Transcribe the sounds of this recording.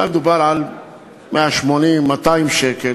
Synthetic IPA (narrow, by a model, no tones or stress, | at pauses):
amd̪ubaɾʕal | meʔaʃmonimːat̪ajmʃekel